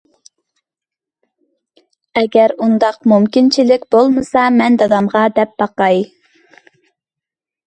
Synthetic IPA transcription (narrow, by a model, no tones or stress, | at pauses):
ɛɡʲɛɾund̪ɑqmumkʲint͡ʃʰilɪkʲbolˠmɨsɑmɛnd̪ɑd̪ɑmʁɑd̪ɛp̚b̥ɑqɑj